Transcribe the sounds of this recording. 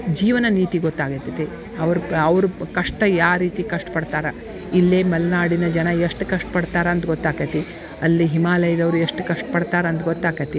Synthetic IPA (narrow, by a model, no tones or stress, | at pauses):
d͡ʒiːʋɐnɐniːt̪iɡɔt̪ːaːɡɐt̪ːɐt̪e | ɐʋɐɾuɐʋɾukɐʂʈɐjaːɾiːt̪ikɐʂʈɐ̥pɐɽt̪aːɾɐ | ilːeːmɐlnaːɽinɐd͡ʒɐnɐeʂʈkɐʂʈɐ̥pɐɽt̪aːɾɐɐnt̪ɡɔt̪ːaːkɐt̪i | ɐlːiɦimaːlɐjɐd̪ɐʋɾueʂʈkɐʂʈɐpɐɽt̪aːɾɐɐnt̪ɡɔt̪ːaːkɐt̪i